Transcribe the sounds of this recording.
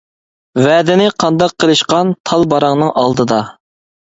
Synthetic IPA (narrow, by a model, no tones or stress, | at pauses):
vɛːd̪ɪnɪqʰɑnd̪ɑqʰːəlˠɨʃqɑnt̪ʰɑlˠbɑɾɑŋnɨŋʔɑlˠd̪ɨd̪ɑ